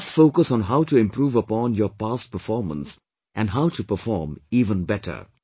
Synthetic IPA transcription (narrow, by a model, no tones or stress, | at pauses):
sfoːkəsɔ̃nɦaʊʈuɪ̃mpɾuːʋəpɔ̃ːnjɔːpaːst̚pəɾfɔːɾmə̰̃ns | ʔæ̃nɦaʊʈupəfɔːɾmiːʋə̃nbɛʈʰə̰